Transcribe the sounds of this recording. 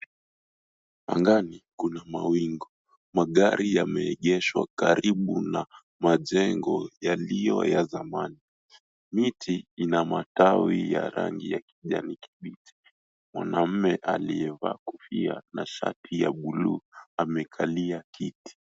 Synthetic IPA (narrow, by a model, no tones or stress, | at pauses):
a̰ŋɡanikunamawiŋɡɔ | maɠaɾijamɛɛɠɛʃwakaɾiɓuna | maʄɛŋɡɔjalijɔjazamani | mitʰiinamatawijaɾa̰ŋɡijakiʄaniki̥ɓitʰi̥ | mwanam̩mɛʔaliɛvaːkufia̰naʃa̰tʰijaɓuluamɛkʰaliakiti̥